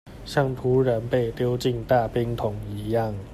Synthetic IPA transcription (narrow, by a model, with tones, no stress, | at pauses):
ɕja˥˩ŋt̪ʰu˨˥ɻə˨˦npe˥˨ɪt̪jo˥˦ʊt͡ɕi˥˧ŋt̪a˥˨pi˥ŋt̪ʰʊ˨˩ŋi˨˦ja˥˩ŋ